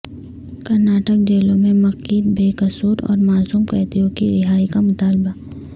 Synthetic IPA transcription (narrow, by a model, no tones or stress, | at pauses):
kɐɾnaːʈək̚d͡ʒeːlõmẽmɐqiːd̪̚beːkɐsuːɾɔ̰ːɾmaːsuːmkɛːt̪iõkiɾɪɦaːikamʊt̪aːlba